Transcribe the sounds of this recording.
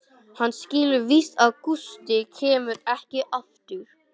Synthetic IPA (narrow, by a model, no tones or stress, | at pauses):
hanːscɪːlʏɾvist̪aðkust̪ɪcʰɛːmʏɾɛhcɪʔaft̪ɪɾ̥